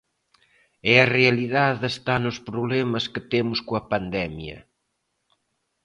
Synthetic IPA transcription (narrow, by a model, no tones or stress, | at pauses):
ɛɐreɐliðaðest̪anʊspɾoβlɛmɐskət̪emʊskoɐpand̪ɛmjɐ̰